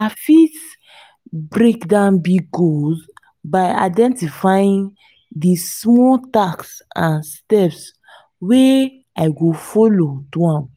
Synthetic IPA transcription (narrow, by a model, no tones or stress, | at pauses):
afit | bɾekdãnbiɡoz | baɪa̰ɪdɛ̃ntifaĩŋ | dismɔtaksãnstɛps | we | aɪɡofolotuãm